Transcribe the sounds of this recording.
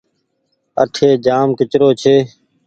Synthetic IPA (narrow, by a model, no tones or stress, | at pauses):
ə̰ʈʰeːd͡ʒaːmkɪt͡ʃɾoːt͡ʃʰeː